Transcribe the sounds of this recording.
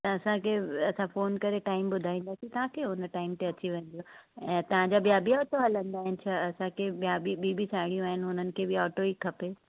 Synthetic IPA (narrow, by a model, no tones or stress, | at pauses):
t̪ɐɐsãkʰeɐsãfoːnkɐɾeʈaːɪmbʊd̪ʱaːĩːnd̪aːsit̪ɐʋ̤ãkʰeɦʊnʈaːɪmt̪eɐt͡ɕiʋɐ̃n̆d̪ijoɛ̃ːt̪ɐʋ̤ãɲd͡ʑabijaːbiɔːʈoɦɐlə̃nd̪aːɦɪnɪt͡ɕʰaɐsãkʰeɓijabiɓiːbisaːɦɪɽ̃ijũaːɦɪnɪɦʊnənɪ̆kʰeːbɪɔːʈoikʰɐpe